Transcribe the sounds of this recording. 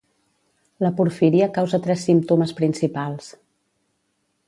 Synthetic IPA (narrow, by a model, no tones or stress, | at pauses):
ləpuɾfiɾiəkawzət̪ɾɛsːimpt̪uməspɾinsipalˠs